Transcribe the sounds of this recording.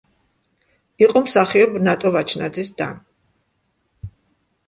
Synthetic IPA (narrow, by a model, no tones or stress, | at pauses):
iqʼɔmsaχiɔbnat̪ʼɔvat͡ʃʰna̰d̪zisd̪a̰n